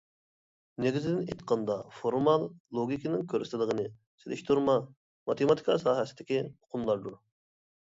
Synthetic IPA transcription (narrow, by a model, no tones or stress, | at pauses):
neɡʲizɪd̪ɪnḛt̪qʰɑnd̪ɑfoɾmɑlˠːoɡʲikʲinɪŋkʲʰøɾst̪ʰlˠəʁənɨ | selɪ̰ʃt̪ʰuɾmɑ | mɑt̪ʰemɑt̪ʰi̥kʰɑsɑːɦɛsɪ̥d̪ɪkʲiʊ̥qʰʊmlˠɑɾd̪uɾ